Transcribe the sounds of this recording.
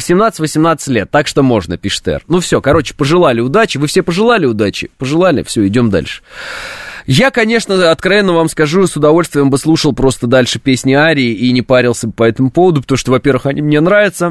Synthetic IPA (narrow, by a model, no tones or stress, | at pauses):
vəsʲɪmnat̪sɨtʲvəsʲɪmnat̪sɨ̥tʲlʲe̞t̪ːakʂt̪o̞mo̞ʐnəpʲiʂɨ̥t̪ɛ̰rnufsʲo̞kɐɾo̞t͡ɕɪ̥pəʐɨlˠalʲɪʊd̪at͡ɕɪvɨfsʲepəʐɨlˠalʲɪʊd̪at͡ɕɪ̰pəʐɨlˠalʲɪ̰fsʲɵɪdʲo̞md̪a̰lʲʂɨ̥ | jakɐnʲe̞ʂnəɐt̪kɾɐvʲenːəvamskɐʐusʊd̪ɐvo̞lʲst̪vʲɪjəmbɨslˠuʂəlˠpɾo̞st̪əd̪alʲʂɨpʲesʲnʲɪaɾʲɪːʔinʲɪpaɾʲɪlˠsʲəbpɐɛt̪əmʊpo̞vəd̪ʊpə̥t̪ɐmuʂt̪ovɐpʲe̞rvɨxɐnʲimnʲe̞nɾavʲɪt̪sə